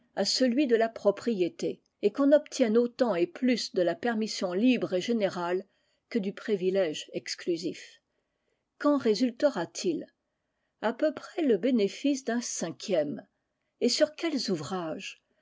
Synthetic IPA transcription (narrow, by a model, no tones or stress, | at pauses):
asəlɥid̪əlapχɔpχijet̪eː | kɔ̃nɔpt̪jɛ̃not̪ɑ̃eplysd̪əlapɛʁmisjɔ̃libʁeʒeneʁal | kəd̪ypχivilɛʒɛksklyzif | kɑ̃ʁezylt̪əʁat̪ʰil | apøpχɛləbenefisd̪ɛ̃sɛ̃kʲjɛm | esyʁkʲɛlzuvʁaʒ